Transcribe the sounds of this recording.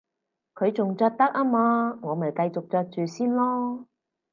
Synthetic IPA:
kʰɵ˨˧ɥt͡sʊ˨ŋt͡ʃœː˧k̚t̪ɐ˥k̚ʔaː˥maː˧ŋɔː˨˧mɐ˨˩jkɐ˧jt͡sʊ˨k̚t͡ʃœː˧k̚t͡ʃyː˨siː˥nlɔː˥

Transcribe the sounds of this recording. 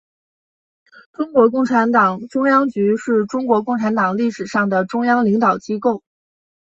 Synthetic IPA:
ʈ͡ʂʊ˥ŋkwɔ˧˥k̬ʊ˥˩ŋʈ͡ʂʰa˧˥nt̪ɑ˨˩ŋʈ͡ʂʊ˥ŋjɑ˥ŋt͡ɕy˧˥ʂɻ̩˥˩ʈ͡ʂʊ˥ŋkwɔ˧˥kʊ˥˩ŋʈ͡ʂʰa˧˥nt̪ɑ˨˩ŋli˥˩ʂɻ̩˨˩ʂɑ˥˩ŋd̪ə˩ʈ͡ʂʊ˥ŋjɑ˥ŋli˧˥ŋt̪ɑ˨˩ʊt͡ɕi˥ko˥˩ʊ

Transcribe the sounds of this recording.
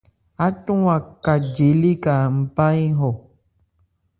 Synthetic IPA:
a˦tũ˦a˨ka˨d͡ʒe˨˦li˦ka˨m̩˨˦pa˦ĩ˦ɦɔ˨

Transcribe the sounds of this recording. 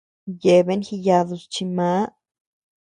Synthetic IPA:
je˧be˦nxi˧ja˧d̪u˧st͡ʃi˧ma˧˦

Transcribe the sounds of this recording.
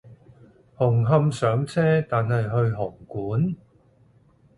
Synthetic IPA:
hʊ˨˩ŋɦɐ˧msœː˨˥ŋt͡sʰɛː˥t̪aː˨nhɐ˨jɦɵ˧ɥɦʊ˨˩ŋkuː˨˥n

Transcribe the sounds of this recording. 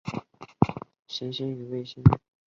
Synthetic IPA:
ɕi˧˥nɕi˥ny˧˥we˥˩ɪɕi˥n

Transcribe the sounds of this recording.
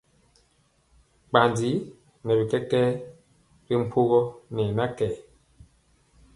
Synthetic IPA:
k͡pa˨ndi˨˦ | nɛ˨bi˨kɛ˦kɛ˦ | bi˦m̩˦pʰu˦ɣɔ˦nɛ˨na˦kɛː˨

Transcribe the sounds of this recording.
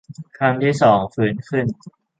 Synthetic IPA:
kʰa˧mt̪ʰiː˥˩sɔː˩˦ŋfʰɯː˩˦nkʰɯ˥˩n

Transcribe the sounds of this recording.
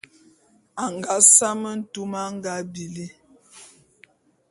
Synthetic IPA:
a˨ŋɡa˨˦sa˦mə˦n̩˦tu˦ma˦ŋ˦ɡa˦bi˨li˦

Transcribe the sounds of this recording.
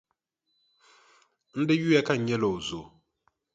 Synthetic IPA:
n̩˦de˦ju˦ɛ˦ka˦˨ɲɛ˦lo˨zo˨

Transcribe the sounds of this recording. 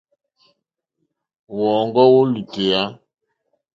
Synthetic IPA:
wɔ˨ŋɡɔ˦wo˦lu˨te˨ja˦

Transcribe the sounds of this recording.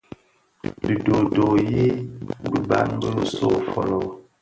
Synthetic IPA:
bi˨do˨do˨ji˦bi˨ba̰˨˦nbə˦˨so˦˨fɔ̰˨lɔ˦

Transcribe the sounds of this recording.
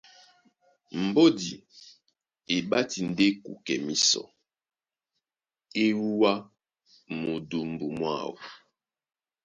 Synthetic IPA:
m̩˨bo˦di˨ | e˨ɓa˦ti˨n̩˨de˦kṵ˨kɛ˨mi˨sɔ̰˨ | e˦wu˦wa˦ | mu˨du˨m̩˨bu˨mwa̰˦˨wu˨

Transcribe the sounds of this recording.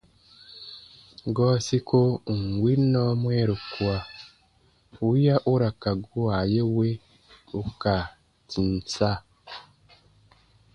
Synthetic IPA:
ɡo˦si˦ko˦˨ŋ˨ɡwi˦no˦mwe˦ɾu˨kwa˨ | u˦ja˦ʔu˦ɾa˨ka˨ɡu˦wa˨je˦we˦ | u˦ka˨ | ti˨n˨sa˦

